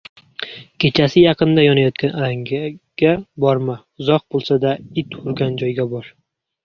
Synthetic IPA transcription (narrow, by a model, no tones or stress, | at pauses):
kʲʰe̞t͡ʃʰasɪjɑqɨnd̪ajɒnajɒt̪kʰʲanaɾaŋɡaɡ̥abɒɾma | ʊzɒq̚bolˠsad̪aɪt̪ʊɾɡʲand͡ʒɒjɡʲabɒɾ